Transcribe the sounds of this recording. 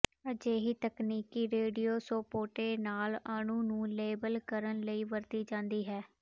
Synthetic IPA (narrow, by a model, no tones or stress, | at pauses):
əd͡ʒeːɦiːt̪əkniːkiːɾeːɖijoːsoːpoːʈeːnaːlaːnũːnũːleːbəlkəɾənləiːʋəɾt̪iːd͡ʒãːnd̪iːɦɛː